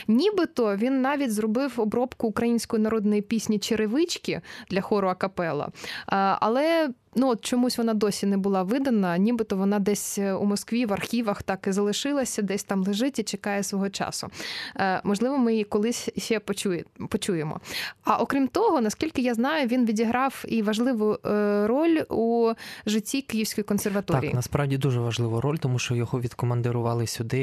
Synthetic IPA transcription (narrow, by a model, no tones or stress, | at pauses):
nʲibɪt̪ɔʋʲinːɑʋʲitʲzrɔbɪwɔbɾɔpkʊːkɾɐjinʲsʲkɔjinɐɾɔd̪nɔjipʲisʲnʲit͡ʃɪɾɪʋɪt͡ʃkʲid̪lʲɐxɔɾʊɐkɐpɛlˠɐ̰ | ɐ̰lˠɛ | nuɔt̪t͡ʃɔmusʲʋɔnɑd̪ɔsʲinɛbʊlˠɑʋɪd̪ɐnɐnʲibɪt̪ɔʋɔnɑd̪ɛsʲṵmɔskʋʲiʋɐrxʲiʋɐxt̪ɑkɪzɐlˠɪʃɪlˠɐsʲɐd̪ɛsʲt̪ɑmlˠeʒɪtʲit͡ʃekɑjɛsʋɔɦɔt͡ʃɑ̰sʊ̰ | mɔʒlˠɪʋɔmɪikɔlˠɪsʲʃɛpɔt͡ʃupɔt͡ʃujemɔ̰ɐʔɔkɾʲimt̪ɔɦɔnɐskʲilʲkɪjaznɑjʊʋʲinʋʲidʲiɦɾɑwiʋɐʒlˠɪʋʊrɔlʲuʒɪtʲːikɪjiwsʲkɔjikɔnserʋɐt̪ɔɾʲḭːnɐspɾɑwdʲid̪uʒɛʋɐʒlˠɪʋɐɾɔlʲt̪ɔmuʃt͡ʃɔjɔɦɔʋʲid̪kɔmɐnd̪ɪɾʊʋɑlˠɪsʲʊd̪ɪ